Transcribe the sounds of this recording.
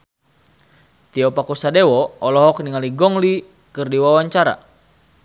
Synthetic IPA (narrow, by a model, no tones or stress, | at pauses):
t̪iɔpakusadɛwɔɔlɔɦɔk̚niŋaliɡɔŋli | kɨrdiwawaɲt͡ʃaɾa̰